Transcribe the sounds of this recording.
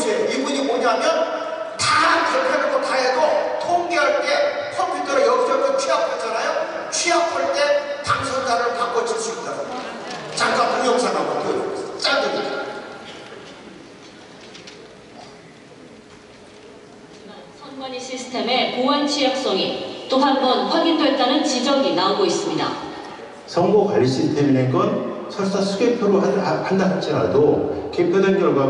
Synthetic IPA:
d͡ʑieibuɲimoɲamjʌn | tankjʌɭpʰeɾɯɭbotʰaɦedotʰoŋɡeɦaɭk͈e̞kʰʌmpʰjutʰʌɾejʌɡd͡ʑʌɡʰʌt͡ɕʰɥiɦak̚ʰad͡ʑanajo | t͡ɕʰiɦak͈̚ʰaɭt͈e̞taŋsʰʌndaɾɯɭkaŋɡʌt͡ɕʰiɭs͈uit̚t͈aoɲot͡ɕaŋk͈anpujʌŋsʰaɾamɯkɯt͡ɕ͈andee | d͡ʑimansʰʌnɡwʌɲiɕʰisʰɯ̥tʰe̞me̞powant͡ɕʰijʌk̚s͈ʌŋit͈oɦanbʌnkʰʌbidoet͈anɯnt͡ɕid͡ʑʌɡinaoɡois͈ɯmɲida̰ | sʰʌŋɡokwaɭɕ͈inteminenɡʌnt͡ɕʰʌɭs͈asʰuɡepʰjoɾoandak̚t͡ɕ͈iɾa̰doke̞pʰjodenkjʌɭɡwa

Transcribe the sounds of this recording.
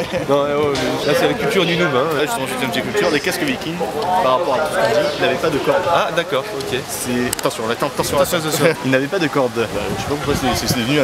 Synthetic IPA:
nɔ̃ɛɛlasɛlakʲylt̪yʁd̪ynuvãlʒyst̪əmɑ̃ʒet̪ɛmt̪ekʲylt̪yʁd̪ekaskəvikʲiŋpaʁːapɔʁat̪u̥sə̥kɔ̃d̪iilnavɛpad̪əkɔʁd̪ad̪akɔːʁɔkʲe | sɛat̪ɑ̃sjɔ̃lat̪ɑ̃t̪ɑ̃sjɔ̃t̪ãsjɔ̃t̪sjɔ̃ilnavɛpad̪əkɔʁd̪baʃɛ̥papuʁkwaseɛsɛsed̪əvəny

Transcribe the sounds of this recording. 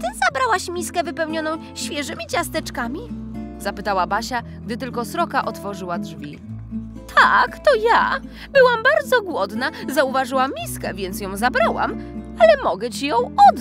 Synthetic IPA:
t̪ɘzabɾawaɕmʲiskɛvɘpɛwɲɔnɔ̃w̃ | ɕfʲjɛʐɘmʲit͡ɕast̪ɛt͡ʂkamʲizapɘt̪awabaɕa | ɡ̚d̪ɘt̪ɘlkɔsɾɔkaʔɔt̪fɔʐɘwadʐvʲḭ | t̪ʰakt̪ɔja | bɘwambaɾd̪zɔɡwɔd̪nazauvaʐɘwamːʲiskɛvʲjɛnt̪sjɔ̃w̃zabɾawa̰malɛmɔɡɛt͡ɕijɔ̃w̃ɔd̪

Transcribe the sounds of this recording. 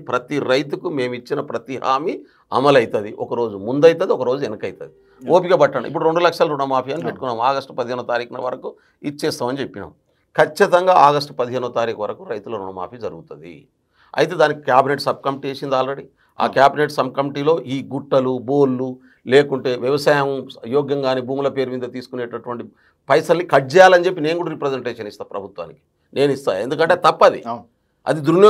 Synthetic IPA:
pɾɐt̪iɾɐjt̪ukume̞ːmit͡ʃːinɐpɾɐt̪iɦa̰ːmi | ɐ̰mɐlɐjit̪ɐd̪iʔɔkɐɾo̞ːd͡ʒumund̪ɐjit̪ɐd̪iɔkɐɾo̞ːd͡ʒuɛnɐkɐjt̪ɐd̪i | oːpiɡaːbɐʈːaːɳɐʔḭp̬ːuɽuɾe̞ɳɖulɐkʂɐlɐɾuɽɐmaːpʰijɐnipeʈːu̥kunːaːmaːɡɐsʈu̥pɐd̪iɦeːnuɐt̪aːɾiːkɐnɐʋɐɾɐku | it͡ʃːeːst̪aːmɐnit͡ʃepːina̰ːm | kʰɐt͡ʃːit̪ɐŋɡaːaːɡɐsʈu̥pɐd̪iɦe̞ːnuʋɐt̪aːɾiːkɐʋɐɾɐkuɾɐjt̪ulɐɾuɳɐma̰ːpʰiːd͡ʒɐɾuɡut̪und̪ḭ | ɐ̰jt̪e̞ːd̪aːnikikʲjaːbineʈsɐb̚kɐmiʈieːsind̪aːlɾeɽi | a̰ːkjaːbineʈsɐbkɐmiʈiːlo̞ːʔiːɡuʈːɐluboːlːu | leːkuɳʈe̞ːʋjɐʋɐsaːjɐmjɔːɡjɐŋɡaːniːbuːmlɐpe̞ːɾumiːd̪ɐt̪iːsu̥kuneːʈɐʈuʋɐɳʈi | pɐjsɐlnikɐɖd͡ʒɛjaːlɐnt͡ʃe̞pːine̞ːnɡuːɽaɾipɾɐd͡ʒeɳʈeːʂɐnist̪aːpɾɐbʱut̪ʋa̰ːniki̥ | ne̞ːnist̪a̰ːe̞nd̪ukɐɳʈeːt̪ɐpːɐd̪ḭ | ɐ̰d̪id̪ɾunj

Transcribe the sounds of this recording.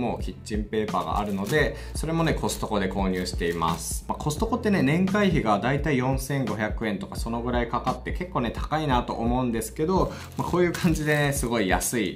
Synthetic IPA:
mo̞ːkʲit͡ɕt͡ɕːĩmpe̞ːpa̰ːɡa̰ʔa̰ɾɯ̟no̞d̪e̞ | so̞ɾe̞mo̞ne̞ko̞sɨ̥t̪o̞ko̞d̪e̞ko̞ːɲ̟ʲɯ̟ːɕi̥t̪e̞ima̰sɨ̥mako̞sɨ̥t̪o̞ko̞t̪ːe̞ne̞nẽ̞ŋkaiçiɡad̪ait̪aijõ̞ɰ̃sẽ̞ŋɡo̞çʲakɯ̟ẽ̞nt̪o̞kaso̞no̞ɡɯ̟ɾaikakat̪ːe̞ke̞kːoːne̞t̪ḁkainat̪o̞̰ʔomo̞ɯ̟̃nd̪e̞sɨ̥ke̞d̪o̞ | mako̞ːjɯ̟ːkʰãɲ̟d͡ʑid̪e̞nesɨɡo̞ija̰sɨi

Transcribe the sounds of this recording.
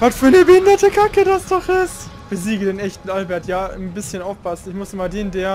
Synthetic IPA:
vatfyːɐnəbəhɪndɐtəkʰakədasd̥ɔχɪst | b̥əziːɡədeːnɛçtn̩ʔalbɛɐtjaːnbɪsçənaʊfpʰasn̩ɪçmʊsɪmadeːndeːɐ

